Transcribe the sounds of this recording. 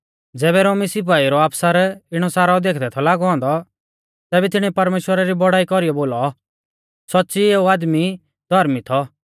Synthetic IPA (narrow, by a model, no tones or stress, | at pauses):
d͡zɛːβɛɾoːmisɪp̬aːiɾɔaːpsaɾɪɽ̃ɔsaːɾad̪eːkʰd̪ɛt̪ʰɔlaːɡɔɦɔ̃ːnd̪ɔ | t̪ɛːbɛt̪ɪɽ̃ɛpɐɾmeːʃwəɾaɾibɔɽaːikɔɾijɔboːlɔ | sɔtːsieːuaːd̪mi | d̪ʱɔɾmit̪ʰɔ